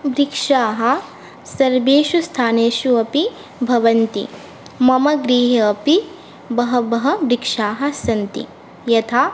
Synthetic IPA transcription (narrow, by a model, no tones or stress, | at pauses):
bɾikʂaːɦɐ̆ | sɐɾbeːʃust̪ʰaːneːʃuɐpi | bʱɐʋɐnt̪ḭ | mɐmɐɡɾiːɦɐɐpi | bɐɦɐbɐɦɐ̆bɾikʂaːɦɐ̆sɐnt̪ḭ | jɐt̪ʰaː